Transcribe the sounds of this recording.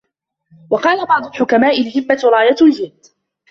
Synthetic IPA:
wɑqɑːlabɑʕd̪ˤʊlħʊkamaːʔɪlɦɪmːaɾˤɑːjat̪ld͡ʒɪːd̪

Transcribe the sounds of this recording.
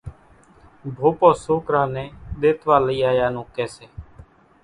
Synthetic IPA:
bʱoːpõːsoːkɾãːnɛ̃ːɗ̪eːt̪ʋaːləiːaːjaːnũːkɛːseː

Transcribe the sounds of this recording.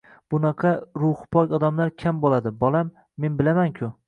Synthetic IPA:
b̥ʊnɑqʰɑɾʊhpʰɒkɒd̪amlaɾkʲʰambolˠad̪ɪbɒlˠamː | e̞nbɪlamaŋkʲʰʊ

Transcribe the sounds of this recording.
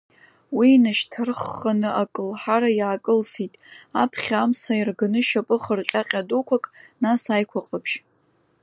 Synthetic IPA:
winaʃtʰɨrχːanɨakʼɨlħaɾajaːkʼɨlsitʼapʰχʲamsairɡɨnɨʃapʼɨχərqʲʼaqʲʼadokʷʰakʼnasajkʷʰaqʼapʰʃ

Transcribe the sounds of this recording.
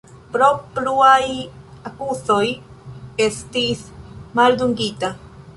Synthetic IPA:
pɾo̞pɾuajakuso̞j | est̪ismald̪uŋɡit̪a

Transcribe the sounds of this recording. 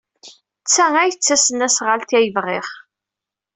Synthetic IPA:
t͡sːæŋæjət͡sːæsənæsʁəlt̪æjəvʁɪχ

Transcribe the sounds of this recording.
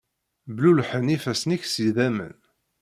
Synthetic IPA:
blulħənifæsniçsiðæmə̰n

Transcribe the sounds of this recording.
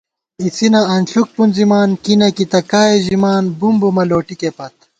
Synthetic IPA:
isinɐɐnɬuk̚punzimaːnkinɐkit̪ɐkaːeʑimaːnbumbomɐloːʈikepɐt̪̚

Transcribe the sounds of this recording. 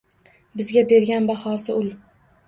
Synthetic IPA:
bɪzɡʲabe̞ɾɡʲanbahɒsɪʊl

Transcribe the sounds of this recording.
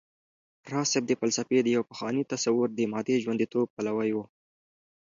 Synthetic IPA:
ɾɑsɪb̚d̪əfalsafed̪əjawpəxwɑnit̪asawʊɾd̪əmɑːd̪eʒwand̪it̪ob̚palawajwu

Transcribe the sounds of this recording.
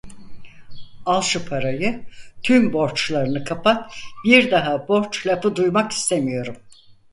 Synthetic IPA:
alˠʃɯpʰaɾajɯt̪ʰymbo̞ɾt͡ʃlˠaɾɯnɯkʰapʰat̪biɾd̪aɦabo̞ɾt͡ʃlʲapɯd̪ujmaki̥st̪ʰemijo̞ɾum

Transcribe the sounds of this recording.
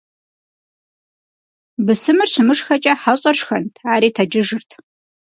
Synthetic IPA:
bɨsɨmɨrɕɪmɨʂxɐt͡ʃʼɐħaɕʼɐrʂxɐntʰaːɾiːtʰɐd͡ʒɪʒɨrtʰ

